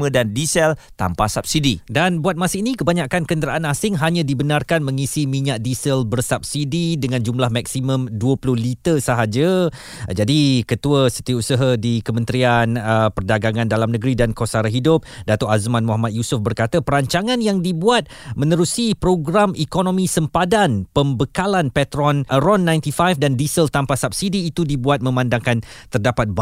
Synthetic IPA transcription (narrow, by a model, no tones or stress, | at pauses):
ə̃dandisɛlt̪a̰mpasap̚sididanbuat̪̚masɪnĩkəbaɲakankəndəɾaʔanasɪŋɦaɲãdibənarkanmə̃ŋisimiɲaʔ̚disəlbərsap̚sididəŋãnd͡ʒumlahmak̚simə̃mduəpulʊhlit̪əsəɦad͡ʒa | d͡ʒadikət̪uəsə̥t̪iausəɦadikəmənt̪ɾianəpərdaɡaŋãndalamnəɡɾidankosaɾaɦidʊp̚dat̪oʔazmãnmɔɦamat̪̚jusʊfbərkat̪apəɾaɲt͡ʃaŋãnjaŋdibuat̪̚mə̃nəɾusipɾoɡɾamikonõmĩsəmpadanpəmbəkalanpɛt̪ɾɔnrɔnːãjnt̪ifajfdandisəlt̪ampasap̚sidiːt̪udibuat̪̚mə̃mandaŋkant̪ərdapat̪̚b